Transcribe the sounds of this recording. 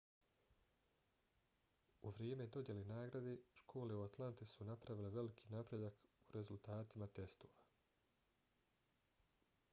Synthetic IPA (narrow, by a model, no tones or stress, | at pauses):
uʋɾjeːmed̪o̞d̪je̞lenaːɡɾad̪e̞ʃkʰo̞ːle̞uat̪lˠant̪isunapɾaʋileʋe̞likʰi̥napɾe̞d̪akuɾe̞zult̪aːt̪imat̪e̞st̪oːʋa